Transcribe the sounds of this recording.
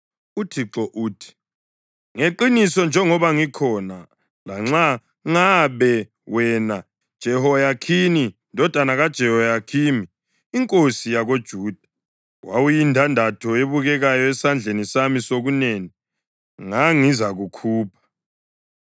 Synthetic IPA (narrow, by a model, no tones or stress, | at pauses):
utʰiǁɔʔuːtʰi̥ | ŋeǃinisɔnd͡ʒʱɛŋɔβaŋikʰɔna | laŋ͡ǁa | ŋaβɛ | wɛna | d̥ʒ̥ʱɛhɔjakʰinindʱɔd̥ʱanaɣad̥ʒ̥ʱɛhɔjakʰiːmiː | ŋkʼosijaɣod̥ʒ̥ʱuːd̥ʱḁ | wa̰wujintʰandʱatʰɔeβuɣɛɣajɔɛsand͡ɮʱenisamisoɣuneːni | ŋaŋizaɣukʰuːpʰḁ